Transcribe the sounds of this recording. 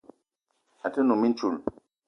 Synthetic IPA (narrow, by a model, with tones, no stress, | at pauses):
a˨tə˦nu˨mi˦n˦t͡ʃu˦˨l